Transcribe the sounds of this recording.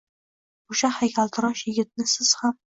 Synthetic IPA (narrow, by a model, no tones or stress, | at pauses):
oʃahajkʲʰalˠt̪ʰɪɾɒʃjɪɡʲɪt̪̚nɪsɪz̥ham